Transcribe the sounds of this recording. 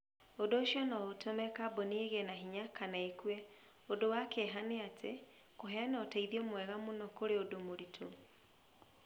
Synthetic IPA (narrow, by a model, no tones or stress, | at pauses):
odoːʃiɔnaotʰomɛkabonieɣɛnaɦiɲakʰanaekwɛ | odowakeɦaneatʰe | koɦɛanɔtaiðiɔmwɛɣamonɔkoɾeodomoɾitʰo